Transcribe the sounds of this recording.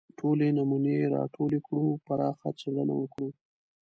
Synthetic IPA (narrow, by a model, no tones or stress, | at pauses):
ʈʰolenamuneɾɑ̰ʈʰolekɽupaɾɑxat͡seɽana̰wəkɽu